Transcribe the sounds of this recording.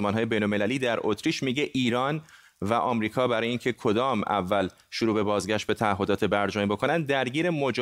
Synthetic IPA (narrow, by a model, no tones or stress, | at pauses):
mɒːnɦɒːjebe̞jnolme̞læliːd̪æɾʔot̪ʰɾiːʃmiɟeʔiːɾɒːn | væʔɒːmɾiːkʰɒːbæɾɒːjeiːncʰe̞kʰo̞d̪ɒːmæ̰vːæl | ʃoɾuːbe̞bɒːzɡæʃt̪̚be̞t̪ʰææɦːo̞d̪ɒːt̪ʰe̞bæɾd͡ʒɒːmibo̞kʰo̞nænd̪̚d̪æɾɟiːɾe̞mod͡ʒ